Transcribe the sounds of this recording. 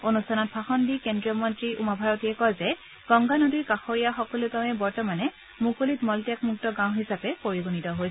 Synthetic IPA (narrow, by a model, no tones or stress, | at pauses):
onustʰanɔt̚bʰʱaxɔndikendɹijɔmɔntɹiumabʱaɹɔtiɛkɔlzɛ | ɡ̥ɔŋɡanodijkaxoɹijaxɔkɔlʊtaʊ̃ɛbɔɹtɔmanɛ | mukolitmɔltijakmuk̚tɔɡãw̃ɦisapɛpoɹiɡunitɔɦoj